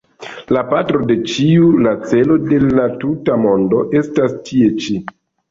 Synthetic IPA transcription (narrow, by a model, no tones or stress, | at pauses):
lapatɾo̞de̞t͡ʃiulat͡se̞lo̞de̞latutamo̞ndo̞ʔe̞stastʰie̞t͡ʃi